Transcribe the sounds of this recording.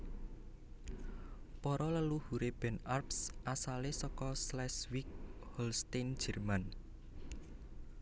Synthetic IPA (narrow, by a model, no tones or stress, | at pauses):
pɔɾɔləluhuɾeb̥ɛ̤narpsʔasalesɔkɔslɛswik̚ | hɔlst̪an̥d͡ʒ̥ə̤rman